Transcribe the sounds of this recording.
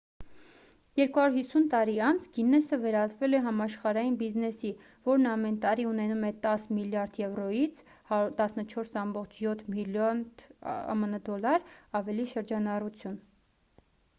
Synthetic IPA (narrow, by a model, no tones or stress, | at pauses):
jɛɾkuhɑɾuɾhisunt̪ɑɾiɑnt͡sʰɡinɛsəvɛɾɑt͡svɛlɛɦɑmɑʃχɑɾɑjinbiznɛsi | vɔɾnɑmɛnt̪ɑɾiunɛnumɛt̪ɑsmiljɑɾd̪jɛvɾɔjit͡sʰ | t̪ɑsnət͡ʃʰɔɾsɑmbɔχt͡ʃʰjɔt̪ʰmilɔnɑ̰mənəd̪ɔlːɑɾɑvɛliʃəɾd͡ʒɑnɑrut͡sʰjun